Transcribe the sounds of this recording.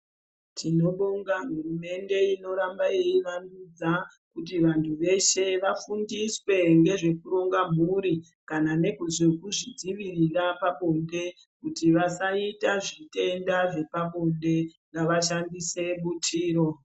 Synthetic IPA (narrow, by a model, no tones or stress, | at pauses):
tʰino̞ɗoŋɡaɦurume̞nde̞ino̞ɾambaejiʋanud͡za | kutiʋantʰuʋe̞ʃe̞ʋafundiswe̞ŋɡe̞ʐe̞kuɾo̞ŋɡam̤uɾi | kanane̞kuzekuʐid͡ziʋirirapaɓonde̞ | kutiʋasaitaʐite̞ndaʐe̞paɓonde̞ŋɡaʋaʃandise̞ɓutʰiːɾo̞